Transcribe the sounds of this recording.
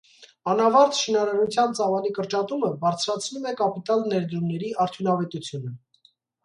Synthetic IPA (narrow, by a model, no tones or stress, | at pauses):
ɑnɑvɑɾt̪ʃinɑɾɑɾut͡sʰjɑnt͡sɑvɑlikəɾt͡ʃɑt̪uməbɑɾt͡sʰɾɑt͡sʰnumɛkɑpit̪ɑlnɛɾd̪ɾumnɛɾiɑɾt̪ʰjunɑvɛt̪ut͡sʰjunə